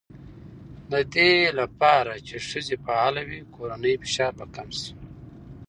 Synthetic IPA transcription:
nad̪elapɑːɾat͡ʃeʂəzepaalawikoɾanəjfi̥ʃaːɾbakamsi̥

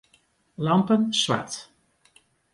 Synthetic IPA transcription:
lɑmpənswa̰t

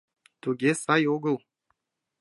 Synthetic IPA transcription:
t̪oɡʲesajoɡo

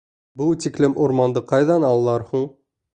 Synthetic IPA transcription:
but̪iklɘmʔuɾmɑnd̪ɤqɑjðɑnɑlˠːɑɾhuɴ

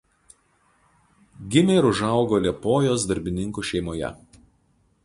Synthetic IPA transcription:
ɡʲɪmʲɛɾʊʒɑˑʊɡoːlʲɛpoːjoːsd̪ɐɾʲbʲɪnʲɪŋkuːˑʃʲɛɪmoːjɛ̰

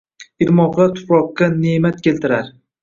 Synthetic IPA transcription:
ɪɾmɒqːat̪ʰʊ̥pɾɒqːɑne̞mat̪̚kʲe̞lt̪ɪɾaɾ

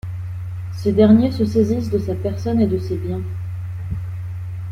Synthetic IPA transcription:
sed̪ɛʁnjesəsezis̬d̪əsapɛʁsɔned̪əsebjɛ̃

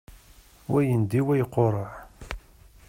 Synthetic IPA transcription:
wæjənd̪iwæjəqːoɾˤəʕ

